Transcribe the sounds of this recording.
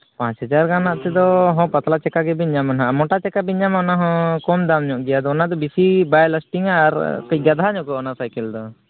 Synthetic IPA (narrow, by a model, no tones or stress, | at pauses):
pãt͡ʃɦəd͡ʒaɾɡanaʔt̪ɛd̪ɔɦɔ̃pat̪lat͡ʃɛkaɡɛbiɲamanɦaʔamɔʈat͡ʃɛkabiɲamanaɦɔ̃kɔmd̪amɲɔʔɡɛjad̪ɔɔnad̪ɔbisibajlasʈiŋaːɾkiɡad̪ʱaɲɔ̃kɔʔɔnasajkɛld̪ɔ